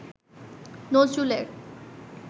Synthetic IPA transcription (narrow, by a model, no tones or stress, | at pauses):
nod͡ʑuleɾ